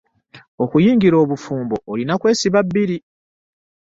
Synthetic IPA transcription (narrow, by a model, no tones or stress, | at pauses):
o̞kujiːŋɡiɾo̞ːβufuːmbo̞ʔːlinakwe̞ːsiβabːiɾi